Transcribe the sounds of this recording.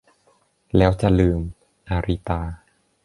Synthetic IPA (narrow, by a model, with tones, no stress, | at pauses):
lɛː˦˥wt͡ɕa˨˩lɯː˧m | ʔaː˧ɾi˦˥t̪aː˧